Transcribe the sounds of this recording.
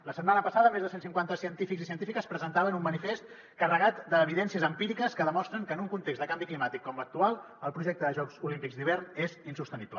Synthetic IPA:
ləsət̪manəpəsaðəmezðəsensiŋkwant̪əsiənt̪ifikzisiənt̪ifikəspɾəzənt̪aβənumːənifest̪ | kərəɣat̪d̪əːβiðɛnsiəzəmpiɾikəskəðəmɔst̪ɾəŋkəːnuŋkunt̪ekzd̪əkambiklimat̪ikːɔmək̚t̪ualˠ | əlˠpɾuʒɛk̚t̪əðəʒɔkz̥ulimpikzd̪iβ̞ɛrnezinsust̪əniplə

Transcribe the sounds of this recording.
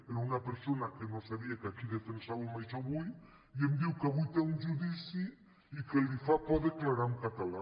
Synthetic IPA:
eɾunɐpeɾsonɐkenõwsaβiɐkakiðet̪ɾesaβumajʃaβuj | iemd̪iwkaβujt̪eũʒuðisi | ikelifapɔðeklaɾaɾumkat̪ala

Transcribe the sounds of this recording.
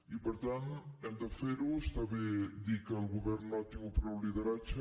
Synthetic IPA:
ipəɾt̪anɛmd̪əfeɾust̪aβed̪ikəːlˠɣuβɛɾnːɔt̪iŋupɾɛwliðəɾat͡ʃə

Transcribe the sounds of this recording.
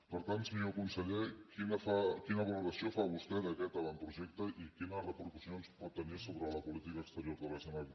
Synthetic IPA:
pəɾt̪ant̪smiokunsəʎɛkinəfakinəβəluɾəsiofaβust̪ɛðəkɛt̪əβanpɾuʒɛk̚t̪əʔikinərəpəɾkusionspɔt̪ːənisoβɾələpulit̪ikəːkst̪əɾjoɾðəlɛsəna

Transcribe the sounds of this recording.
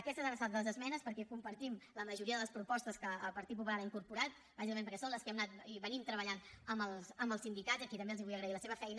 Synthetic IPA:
əkɛst̪əzəɾəsat̪d̪əlˠəzəzmɛnəspəɾkɛkumpəɾt̪imləməʒuɾiəðələspɾupɔst̪əskəːpəɾt̪ip̬upulaɾaiŋkuɾpuɾat̪̚ | bazikəmẽmpəɾkɛsonləskɛmnat̪̚iβənimt̪ɾəβ̞əʎanəməlˠsəməlˠsind̪ikad̪zəkit̪əmbeəlˠziβujəɣɾəiləseβ̞əfɛjnə

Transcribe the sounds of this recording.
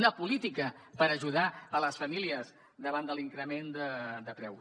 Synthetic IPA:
nəpulit̪ikəpəɾəʒuðaələsfəmiliəz | d̪əβand̪əliŋkɾəmend̪əd̪əpɾɛw

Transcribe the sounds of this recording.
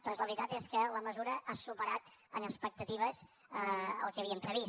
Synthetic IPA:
d̪̥ɔnzləβɾit̪at̪eskələməzuɾəʔasupəɾat̪ | ənəspək̚t̪ət̪iβ̞əz | əə̰lˠkeəβ̞iəmpɾəβi

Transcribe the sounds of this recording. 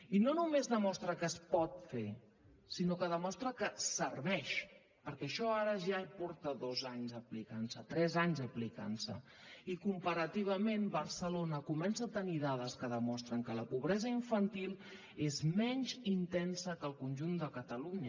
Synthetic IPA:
inonumezðəmɔst̪ɾəkəspɔt̪fe | sinokəðəmɔst̪ɾəkəsərβɛʃ | pəɾkɛəʃɔaɾəʒapɔɾt̪əðozaɲzəplikansət̪ɾɛzaɲzəplika̰nsə̰ | ikumpəɾət̪iβ̞əmenbəɾsəlonəkumɛnsəːt̪əniðaðəskəðəmɔst̪ɾəŋkələpuβɾɛzəiɱfənt̪ilˠ | ezmɛɲzint̪ɛnsəkəlˠkunʲʒund̪əkət̪əluɲə

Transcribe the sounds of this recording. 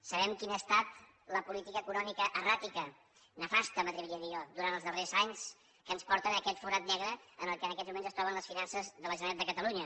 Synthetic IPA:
səβɛmkinəːst̪at̪ | ləpulit̪ikəːkunɔmikəʔərat̪ikə | nəfast̪əmət̪ɾiβiɾiəðiɔd̪uɾant̪əlzðərezaɲs | kənspɔɾt̪ənəkɛt̪fuɾat̪nɛɣɾəənəlˠkənəkɛzmumenzəst̪ɾɔβənləsfinansəzðələʒənat̪d̪əkət̪əluɲə

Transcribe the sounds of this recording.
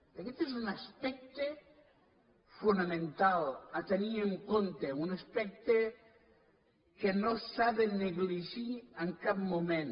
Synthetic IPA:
d̪eket̪esunaspɛk̚t̪e | funamẽnt̪alat̪eniɾeŋkont̪eunaspɛk̚t̪e | kenosaðeneɣliʒieŋkabmomẽn

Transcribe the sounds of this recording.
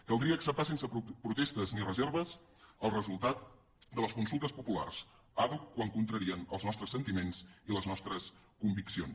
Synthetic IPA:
kəlˠd̪ɾiəːksəp̚t̪as̬ensəpɾut̪est̪əznirəzɛɾβ̞əs | əlˠrəzulˠt̪at̪̚ | d̪ələskunsulˠt̪əspupula̰rs | aβukwaŋkunt̪ɾəɾiənə̰lˠznɔst̪ɾəsːənt̪imenziləznɔst̪ɾəs | kumbiksions

